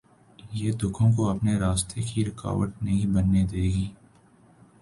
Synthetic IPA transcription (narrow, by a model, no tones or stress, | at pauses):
jeːd̪ʊkʰõkoɐpneɾaːst̪ʰekiɾɪka̰ːʋəʈ̚nɐɦĩbɐnːed̪eːɡiː